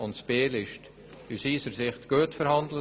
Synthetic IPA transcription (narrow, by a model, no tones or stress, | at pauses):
ʊntsb̥eːlɪʃt | ysiːsəɾsɪχtɡ̥uːtfəɾhɑndlə